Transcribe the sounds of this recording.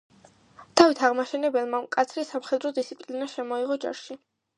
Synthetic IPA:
t̪ʰavit̪ʰaʁmaʃɛnɛbɛlˠmakʼat̪sʰɾisamχɛd̪ɾɔd̪it̪sʰipʼlinaʃɛmɔiʁɔd͡ʒa̰ɾʃi

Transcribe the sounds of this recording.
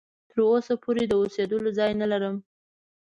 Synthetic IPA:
t̪əɾosapʰoɾed̪əosed̪əlozɑjnalaɾəm

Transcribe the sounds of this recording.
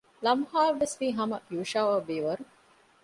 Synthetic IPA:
lɐmhaːlʋesʋiːɦɐmɐjuːʃaʋɐʋeːʋɐɾu

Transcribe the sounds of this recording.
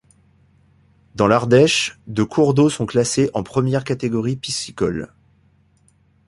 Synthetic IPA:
d̪ɑ̃laʁd̪ɛʃd̪økʰuʁd̪osɔ̃klaseʔɑ̃pχəmjɛʁkat̪eɡɔʁipisikɔl

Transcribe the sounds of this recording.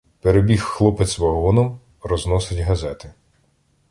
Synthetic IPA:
peɾebʲixːlˠɔpɪt̪sʋɐɦɔnɔm | rɔznɔsɪtʲɦɐzɛt̪ɪ

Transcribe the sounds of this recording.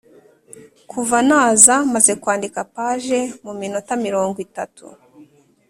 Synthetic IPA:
kʰuvanaːzamaze̞kwaːndikapaʒe̞mumino̞tamiɾo̞ːŋɡwitatṵ

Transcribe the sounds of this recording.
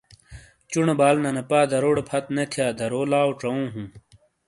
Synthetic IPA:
t͡ɕuɳebaːlnɐnɐpaːd̪ɐɾoːɽepʰɐt̪net̪ʰjaːd̪ɐɾoːlaːwʈ͡ʂɐõːɦũː

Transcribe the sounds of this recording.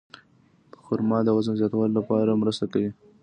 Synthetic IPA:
pəxʊɾmɑd̪əwazənzjɑt̪awɑllapɑɾamɾəst̪akawi

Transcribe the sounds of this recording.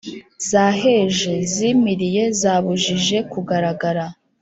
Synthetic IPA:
z̥aːɦe̞ʒe̞zimiɾije̞zaːβuʒiʒe̞kuɡaɾaɡaɾa

